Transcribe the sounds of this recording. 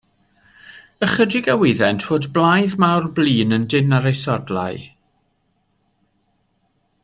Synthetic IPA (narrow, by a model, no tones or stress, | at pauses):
əχədɪɡawɪðɛntʰv̥oːdblˠajðmawrbliːnəndɪnaɾejsɔdlˠa̰j